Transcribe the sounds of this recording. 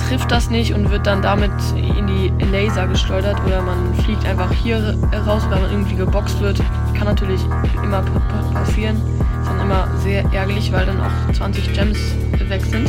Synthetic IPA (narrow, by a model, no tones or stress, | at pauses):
tʁ̥ɪft̚d̥asnɪçtʊntv̥ɪɐt̚d̥andamɪt | ɪ̰ndiː | lɛɪzaɡəʃlɔʏɾɐtʔoːɾɐmanfliːk̚tʔaɪnfaχhiːɐ | hɛʁaʊsonvamanʔɪɐɡŋ̩tv̥iːɡəbɔkstv̥ɪɐt | kʰanːatʰyːɐlɪç | ʔɪmɐ | pʰ | pʰasiːʁən | ɪstd̥anʔɪmɐ | zeːɐʔɛɐɡɐlɪçvaɪldanʔa̰ʊxt͡sv̥ant͡sɪç̥d͡ʒ̥ɛms | ɛvɛkz̥ɪnt